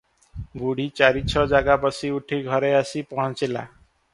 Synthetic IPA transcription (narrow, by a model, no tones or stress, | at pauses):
ɡuɽ̤it͡ʃaɾit͡ʃʰɔd͡ʒaɡabɔsiuʈʰiɡʱɔɾeasipɔɦɔ̃t͡ʃila̰